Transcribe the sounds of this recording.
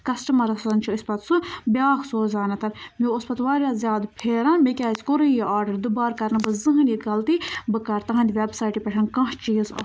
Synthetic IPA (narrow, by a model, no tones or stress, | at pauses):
kɐsʈɐmɐɾɐszɐnt͡ʃʰuispɐt̪sɨbʲjaːxsoːzaːnɐt̪ɐɾmʲiospɐt̪ʋaːɾʲjaːzʲjaːd̪pʲʰeːɾɐːnmekʲaːzʲkoɾɨjiʔaːɾɖɐɾd̪ɨbaːɾkɐɾnɨbɨzɨɦɨnʲjiɡɐlt̪ibɨkɐɾt̪ɐɦɐnʲd̪ʲʋʲebsaːjʈipʲeʈʰɐnkɐ̃ɦt͡ʃiːzɐ̰